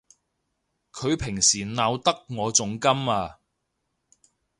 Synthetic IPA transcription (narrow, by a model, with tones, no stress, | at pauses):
kʰɵ˨˧ɥpʰɪ˨˩ŋsiː˨˩naː˨˧wt̪ɐ˥k̚ŋɔː˨˧t͡sʊ˨ŋkɐ˥maː˧